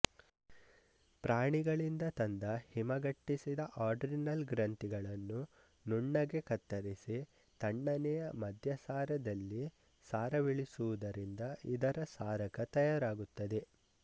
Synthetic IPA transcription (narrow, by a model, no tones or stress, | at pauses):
pɾaːɳiɡɐɭind̪ɐt̪ɐnd̪ɐhimɐɡɐʈːisid̪ɐʔaːɾɖɾinɐlɡɾɐɳʈ̪iɡɐɭɐnːu | nuɳːɐɡe̞kɐt̪ːɐɾisi | t̪ɐɳːɐnɛjɐmɐd̪ʱjɐsaːɾɐd̪ɐlːi | saːɾɐʋiɭisuʋud̪ɐɾind̪ɐʔid̪ɐɾɐsaːɾɐkɐt̪ɐjaːɾaːɡut̪ːɐd̪e̞